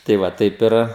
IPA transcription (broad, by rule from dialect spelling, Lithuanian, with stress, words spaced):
tɐɪ ˈʋɐ ˈtɐɪp ɪr